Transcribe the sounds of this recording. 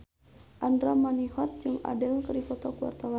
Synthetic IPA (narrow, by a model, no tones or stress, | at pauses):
ʔandɾamanihɔt̪̚d͡ʒɨŋa̰dəlkəɾikɔt̪ɔkuwa̰rt̪awa